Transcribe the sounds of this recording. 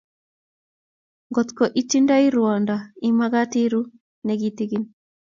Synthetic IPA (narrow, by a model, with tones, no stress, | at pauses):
ŋɡo˨t̪ko˨ʔi˦ti˦nda˦i˦ɾuɔ˨nda˨i˦ma˦ɡa˦ti˦ɾu˦ | ne˨ɡit̪i˦ɡi˦n